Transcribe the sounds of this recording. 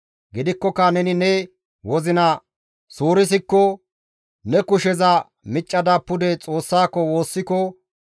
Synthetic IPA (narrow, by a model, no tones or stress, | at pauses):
ɡɪd̪ɪkːɔkːɐnɛnɪnɛ | wɔzɪnɐ | suːɾɪs̬ɪkːɔ | nɛkʊʃɛzɐ | mɪt͡ʃʼːɐd̪ɐpːʊd̪ɛt͡sʼo̞ːsːaːkːɔwo̞ːsːɪkɔ